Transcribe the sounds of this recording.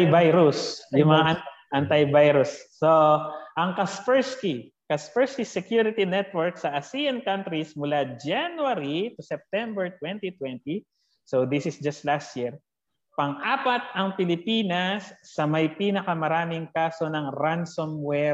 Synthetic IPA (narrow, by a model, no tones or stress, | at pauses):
jbajɾʊsjʊŋmɐŋaʔʔɐnt̪ɐjbajɾʊsːoʔɐŋkɐsfɛɹski | kɐspɛɹskisɛkjuɾɪt̪inɛt̪̚wɔɹksɐʔɐsiɐnkɐ̃nt̪ɾismʊlad͡ʒanwaɾit̪ʊsɛp̚t̪ɛmbɛɹt̪wɛnt̪it̪wɛnt̪i | sowd̪isɪsd͡ʒɐst̪last̪̚jiɹ | pɐŋʔaːpɐt̪̚ɐŋpɪlɪpiːnɐsːɐmɐjpiːnɐkɐmɐɾaːmɪŋkaːso̞nɐŋɾansomwɛ